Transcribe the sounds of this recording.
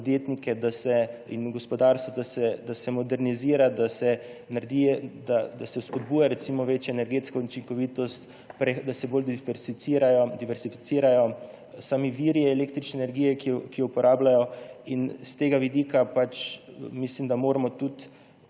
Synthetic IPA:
pod̪jeːt̪nikɛd̪asɛḭnɡɔspɔd̪aːɾst̪ʋɔd̪asɛd̪asɛmɔd̪ɛɾniziːɾad̪asɛnaɾd̪ijɛd̪ad̪asɛwspɔd̪̚buːjaɾɛt̪simɔʋeːt͡ʃjɔɛnɛɾɡeːt̪skɔut͡ʃiŋkɔʋiːt̪ɔst̪ | pɾɛd̪asɛbold̪ifɛɾsit̪siːɾajɔd̪iʋɛɾz̥ifit̪siːɾajɔ | saːmiʋiɾjɛɛleːkt̪ɾit͡ʃnɛːnɛɾɡiːjɛkijɔkijɔupɔɾaːblajɔinst̪eːɡaʋid̪ikapat͡ʃmislimd̪amoːɾamɔt̪ut̪

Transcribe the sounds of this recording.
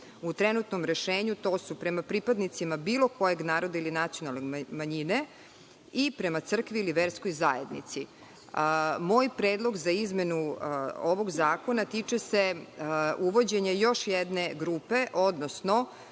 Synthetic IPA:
ut̪ɾenut̪nomɾeʃeːɲut̪o̞ːsupɾe̞mapɾipad̪nit̪simabiːlˠo̞ko̞je̞ɡnaːɾo̞d̪ailinat̪sionalˠnemaɲine | ipɾe̞mat̪sr̩kʋiːliʋeɾsko̞jzaje̞d̪nḭt̪si | mo̞ːjpɾeːd̪lˠo̞ɡzaizme̞nuoʋo̞ɡzaːko̞nat̪it͡ʂese | uʋo̞d͡ʑeɲejo̞ʃjed̪ne̞ɡɾuːpe̞ʔo̞d̪nosno

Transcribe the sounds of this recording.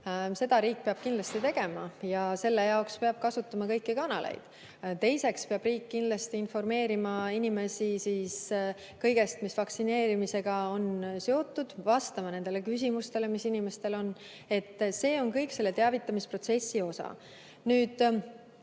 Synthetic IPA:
se̞d̪̥ɑɾiːk̚peɑb̥kind̪lɑst̪it̪e̞ɡ̥e̞mɑjɑse̞lːe̞jɑokspeɑb̥̚kɑsut̪ːˑɑmɑkɤjkːikɑnɑlḛjd̪̥ | t̪e̞jse̞kspe̞ɑb̥riːkːind̪lɑst̪iinfo̞rme̞ːɾimɑinime̞sisis | kɤjɡe̞st̪misvɑksine̞ːɾimise̞ɡ̥ɑo̞nseo̞t̪ːud̪̥vɑst̪ɑmɑne̞nd̪̥elekys̬ʲimust̪e̞le̞misinime̞st̪e̞lo̞n | e̞t̪ːse̞ːo̞nkɤjkse̞lːe̞t̪eɑvit̪ːˑɑmispro̞t̪se̞sːio̞sɑ̰ | nyːd̪̥

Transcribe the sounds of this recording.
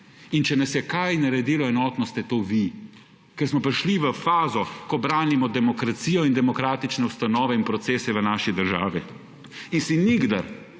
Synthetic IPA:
int͡ʃɛnɐsjɛkajnaɾɛd̪iːlɔɛnɔːt̪nɔst̪ɛt̪oːʋi | kɛɾsmɔpɾiʃliʋəfaːzɔkɔbɾaːnimɔd̪ɛmɔkɾat̪siːjɔind̪ɛmɔkɾaːt̪it͡ʃnɛust̪anɔːʋɛinpɾɔt̪seːsɛʋənaːʃid̪əɾʒa̰ːʋi | insiniɡd̪a̰ɾ

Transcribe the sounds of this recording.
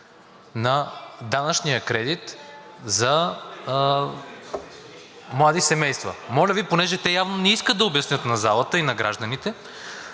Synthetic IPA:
nɐd̪anɐt͡ʃnijəkɾɛd̪it̪ | zɐ | mlˠad̪isɛmɛjst̪və̰mɔlʲəviponɛʒɛt̪ɛjavnonɛiskət̪̚d̪ɐobjɐsnʲɤt̪nɐzalˠət̪əinɐɡɾa̰ʒd̪ɐnit̪ɛ

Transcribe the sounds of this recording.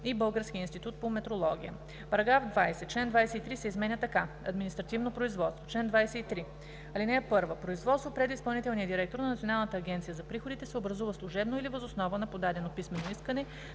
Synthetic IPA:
ibɤlˠɡəɾskʲiəinst̪it̪ut̪̚pomɛt̪ɾolˠɔɡ̟ʲijə̰ | pɐɾɐɡɾafd̪vajsɛt͡ʃlɛnd̪vajsɛit̪ɾisɛizmɛnʲət̪ɐka | ɐ̰d̪minist̪ɾɐt̪ivnopɾoizvɔt̪st̪vot͡ʃlɛnd̪vajsɛit̪ɾi | ɐlinɛɛpɤɾvəpɾoizvɔt̪st̪vopɾɛd̪ispɐlˠnit̪ɛlˠnijəd̪iɾɛk̚t̪oɾnɐnɐt̪sionalˠnət̪əːɡʲɛnt̪sijəzɐpɾixod̪it̪ɛsɛobɾɐzuvəslˠuʒɛbnoilivɐzosnɔvənɐpod̪ad̪ɛnopismɛnoiskənɛ

